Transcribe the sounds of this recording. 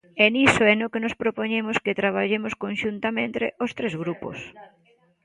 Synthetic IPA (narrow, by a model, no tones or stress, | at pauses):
enisoɛnokenospɾopoɲemʊskɪt̪ɾaβ̞aʎemʊskonʃunt̪amẽnt̪ḛʔost̪ɾezɣɾupo̰s